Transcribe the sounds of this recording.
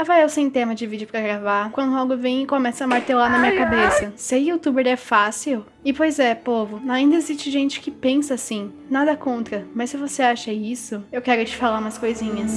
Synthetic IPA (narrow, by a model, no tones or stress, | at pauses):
avaewsẽj̃t̪ẽmɐd͡ʒɪvid͡ʒɪʊpɾɐɡɾavakwɐ̃nd̪ʊawɡʊvẽj̃ɪkõmɛsɐɐmaɾt̪ewlanɐmĩɲɐkabesɐsɪɐut̪ubeɾɛfasiw | ɪpojzɛpovʊaĩnd̪ɐezist͡ʃɪʒẽnt͡ʃɪ̥kɪpẽsɐasĩ | nad̪ɐkõnt̪ɾɐmɐssɪvoseaʃɐisʊewkɛɾʊt͡ʃɪ̥falaumɐskojzĩɲɐs